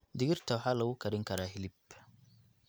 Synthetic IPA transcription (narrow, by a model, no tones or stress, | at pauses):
dɪɡiɾtawħalɐwukɐɾɪŋkɐɾahilip